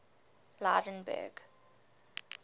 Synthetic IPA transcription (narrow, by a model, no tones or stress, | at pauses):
laːdə̃nbɛ̰ɡ